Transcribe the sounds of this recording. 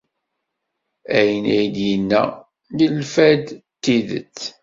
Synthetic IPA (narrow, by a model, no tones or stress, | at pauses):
æjənæjd̪jənːæ̰ | lilfæd̪t̪ːiðə̰t͡sː